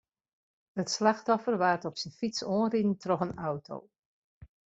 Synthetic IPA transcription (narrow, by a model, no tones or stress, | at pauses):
ətslaxtɔfərʋaːrtɔpsənfitsoənridn̩trɔxənawtʰo̰w